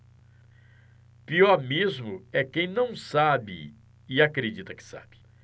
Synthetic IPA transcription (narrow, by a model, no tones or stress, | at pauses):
piɔɾmezmʊɛkẽj̃nɐ̃w̃sabɪ̰ | ɪakɾed͡ʒit̪ɐkɪ̥sa̰b̥ɪ̥